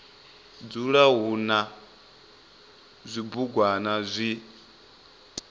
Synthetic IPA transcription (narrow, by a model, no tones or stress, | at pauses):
d͡zuɺaɦuna | zʷibuɡwanazʷi